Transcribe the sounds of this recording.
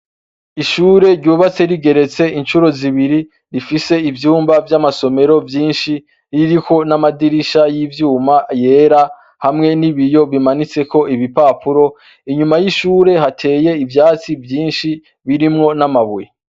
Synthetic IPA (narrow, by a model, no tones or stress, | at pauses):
iʃuːɾe̞ɾɟuːβat͡se̞ɾiɡe̞ɾe̞t͡se̞int͡ʃuɾo̞ziβiɾi | ɾifise̞ivjuːmbavjamaso̞me̞ɾo̞vjiːnʃi | ɾiɾiko̞namadiɾiʃajivjuːmaje̞ːɾa | hamŋe̞niβijo̞βimanit͡se̞ko̞ʔiβipaːpuɾo̞ | iɲumajiʃuːɾe̞ɦatʰe̞ːje̞ivjaːt͡sivjiːnʃi | βiɾimŋo̞namaβuje